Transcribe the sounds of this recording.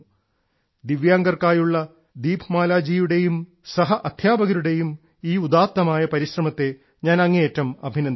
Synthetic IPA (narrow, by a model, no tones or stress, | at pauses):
d̪iʋjaːŋɡɐrkaːjuɭːɐ | d̪iːbʰmaːlaːd͡ʑiːjuɽe̞jum | sɐɦɐʔɐd̪ʱjaːbɐɣɐɾuɽe̞jum | iːud̪aːt̪ːɐmaːjɐpɐɾiɕrɐmɐt̪ːe̞ | ɲaːnɐŋːeeːtːɐmɐbʱinɐn